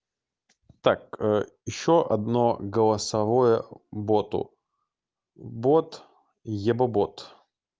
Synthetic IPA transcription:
t̪akjɪɕːoʔɐ̰d̪noɡəlˠɐsɐvojəbot̪ʊ̰ | bot̪ | jɛbɐbot̪

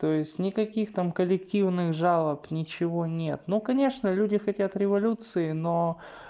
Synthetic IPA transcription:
t̪ojɪsʲtʲnʲɪkɐkʲixt̪amkəlʲɪktʲivnɨxʐalˠəpnʲɪt͡ɕɪvonʲe̞t̪nukɐnʲeʂnəlʲudʲɪxɐtʲat̪ɾʲɪvɐlʲut̪sɨɪno̞

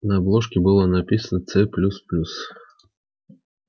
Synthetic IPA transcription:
nəɐblˠoʂkʲɪbɨlˠənɐpʲisənət̪sɛplʲusplʲus

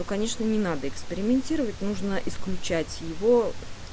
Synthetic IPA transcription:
okɐnʲe̞ʂnənʲɪnad̪əɪkspʲɪɾʲɪmʲɪnʲtʲiɾəvətʲnuʐnəʔɪsklʲʉt͡ɕætʲjɪvo̞

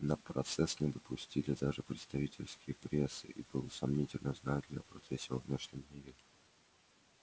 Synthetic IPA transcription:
nəpɾɐt̪sɛsnʲɪd̪əpʰʊsʲtʲilʲɪd̪aʐɨpɾʲɪt̪st̪ɐvʲitʲɪlʲskʲɪjəpɾʲesːɨ̰ʔibɨlˠəsɐmnʲitʲɪlʲnəznad̪ʲlʲəpɾɐt̪sɛsʲːɪvɐvnʲeʂnʲɪmʲiɾʲɪ

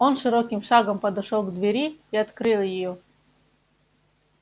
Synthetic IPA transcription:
onʂɨɾokʲimʂɑɡəmpəd̪ʊʂolˠɡd̪vʲɪɾʲiiɐt̪kɾɨlˠjɪjo

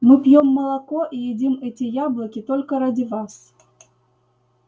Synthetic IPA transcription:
mɨpjɔmːɐlˠakɔʔijɛd͡zʲimɛt͡sʲijablˠɐkʲit̪ɔlʲkɐɾad͡zʲivas

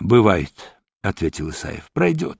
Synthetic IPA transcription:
bɨvajɪt̪ | ɐt̪vʲetʲɪlˠɨsa̰jɪ̰fpɾɐjdʲot̪

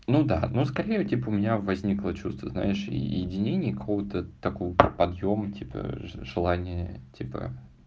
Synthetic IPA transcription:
nud̪a̰nuskɐɾʲejtʲipəʊmʲɪnʲavɐzʲnʲiklˠət͡ɕust̪vəzna̰ɪʂjɪdʲɪnʲenʲɪjəkɐkovət̪ət̪ɐkovpɐd̪jomətʲʰipə̰ʐɨlˠanʲɪjətʲʰipə̰

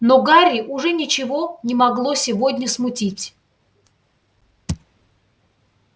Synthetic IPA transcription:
noɡaɾʲɪʔʊʐɛnʲɪt͡ɕɪvo̞nʲɪmɐɡlˠosʲɪvodʲnʲəsmʊtʲitʲ

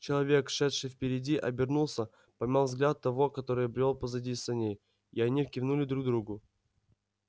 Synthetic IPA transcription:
t͡ɕɪlˠɐvʲe̞kʂɛt̪ʂɨjfpʲɪɾʲɪdʲiʔɐbʲɪrnulˠsʲə | pɐmʲalˠvzɡlʲat̪ːɐvo̞kɐt̪o̞ɾɨjbɾʲolˠpəzɐdʲisɐnʲej | iɐnʲifkʲɪvnulʲɪd̪ɾuɡ̚d̪ɾuɡʊ

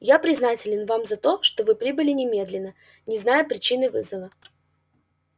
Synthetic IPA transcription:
japɾʲɪznatʲɪlʲɪnvamzɐt̪o̞ʂt̪ovɨpɾʲibɨlʲɪnʲɪmʲe̞d̪lʲɪnːə | nʲɪznajʊpɾʲɪt͡ɕinɨvɨzəvə

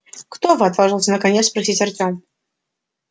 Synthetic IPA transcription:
kt̪ovɨɐt̪vaʐɨlˠsʲənəkɐnʲespɾɐsʲitʲɐrtʲom

